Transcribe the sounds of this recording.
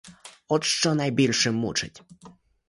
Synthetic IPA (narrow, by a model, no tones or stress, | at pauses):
ɔt̪ʂt͡ʃɔnajbʲilʲʂɪmːṵt͡ʂɪ̰tʲ